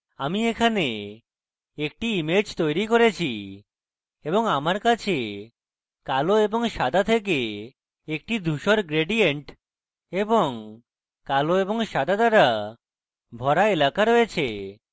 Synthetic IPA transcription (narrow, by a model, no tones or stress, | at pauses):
amiekʰane | ek̚ʈiimed͡ʑt̪ojɾikoɾet͡ɕʰi | eboŋamaɾkat͡ɕʰe | kaloeboŋʃad̪ʱat̪ʰek̬e | ek̚ʈid̪ʱuʃoɾɡɾeɖieɳʈ | eboŋ | kaloeboŋʃad̪ad̪aɾa | bʱɔɾaelakaɾojet͡ɕʰe